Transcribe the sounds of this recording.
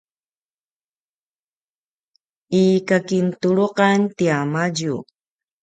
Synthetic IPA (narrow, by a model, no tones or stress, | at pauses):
ikakint̪uluqant̪iamad͡ʒu